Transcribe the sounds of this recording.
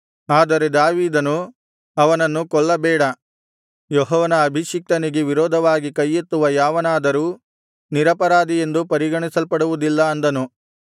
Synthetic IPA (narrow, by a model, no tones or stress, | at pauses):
aːd̪ɐɾe̞d̪aːʋiːd̪ɐnu | ɐʋɐnɐnːukɔɭːɐbɛːɽɐ | jɔɦɔːʋɐnɐːbʱiʃik̚t̪ɐniɡeʋiɾɔːd̪ʱɐʋaːɡikɐjːit̪ːuʋɐjaːʋɐnaːd̪ɐɾuː | niɾɐpɐɾaːd̪ije̞nd̪upɐɾiɡɐɳisɐlpɐɽuʋud̪ilːɐɐnd̪ɐnu